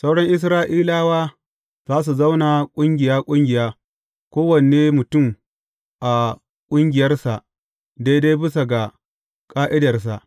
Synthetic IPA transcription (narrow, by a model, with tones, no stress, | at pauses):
sa˦wɽɐ˦ŋʔɪ˦s̬ɾaː˦ʔiː˦laː˦waː˦ | zaː˦s̬u˨za˦wna˨kʷʼʊ˦ŋɡʲɪ˨jaː˦kʷʼʊ˦ŋɡʲɪ˨jaː˦ | kʷoː˦wɐ˨neː˦mʊ˨tʊ˦˨m | ʔa˨ | kʷʼʊ˦ŋɡʲɪ˨jɐ˦rsa˨ʔ | da˦jda˦jbɪ˦s̬a˨ɡa˨ | kʼaː˦ʔɪ˦dɐ˨rs̬a̰˨ʔ